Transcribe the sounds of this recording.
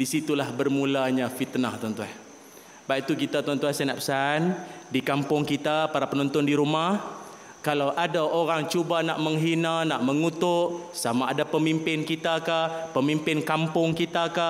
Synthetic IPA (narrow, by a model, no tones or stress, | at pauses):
disit̪ulahbərmulaɲafit̪naht̪ant̪uan | bait̪ukit̪at̪uant̪uansɛnaʔpə̥sandikampʊŋkit̪apaɾapənɔnt̪ɔndiɾumah | kalawʔadaʔoɾaŋt͡ʃubanaʔməŋɦinanaʔməŋut̪ʊʔsamaːdapəmimpɪnkit̪akahpəmimpɪnkampʊŋkit̪aka